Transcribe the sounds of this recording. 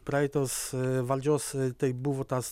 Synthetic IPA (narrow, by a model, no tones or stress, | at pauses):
pɾat̪ɔsvald͡ʒɔst̪ɛjbuvɔt̪as